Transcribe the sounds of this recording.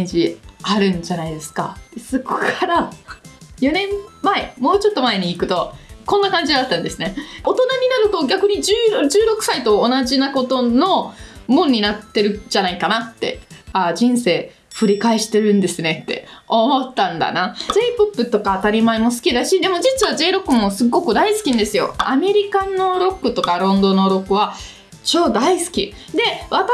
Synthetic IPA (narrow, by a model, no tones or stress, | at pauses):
ɲd͡ʑiaɾɯ̟̃ɲd͡ʑanaid̪e̞sɨ̥ka̰t̪ːesoko̥kʰaɾa | jo̞nẽ̞mmaemo̞ːt͡ɕo̞t̪ːo̞mae̞ɲ̟iːkɯ̟t̪o̞kõ̞nːakãɲd͡ʑiɡaat̪ːãnd̪e̞sɨne̞o̞t̪o̞naɲ̟inaɾɯ̟t̪o̞ɡʲakɯ̟ɲ̟id͡ʑɨːd͡ʑɨːɾo̞kɯ̟̥sait̪o̞ːnaʑinako̞t̪o̞no̞mõɲ̟ːinat̪ːe̞ɾɯ̟d͡ʑanaikanat̪ːe̞̰aːd͡ʑĩɰ̃se̞ː | ɸɯ̟ɾʲikaeɕi̥t̪e̞ɾɯ̟̃nd̪e̞sɨne̞t̪ːe̞̰omo̞t̪ːãnd̪a̰nazeipopːɯ̟t̪o̞kaːt̪aɾʲimaemo̞sɨ̥kʲid̪aɕid̪e̞mo̞d͡ʑit͡sɨβaʑe̞ːɾo̞kːɯ̟mo̞sɨɡːo̞kɯ̟d̪aisɨ̥kʲinad̪e̞sɨjo̞̰ame̞ɾʲikanːo̞ɾo̞kːɯ̟t̪o̞kaɾõ̞nd̪o̞no̞ɾo̞kːɯ̟βa | t͡ɕo̞ːd̪aisɨ̥kʲi | d̪e̞βat̪a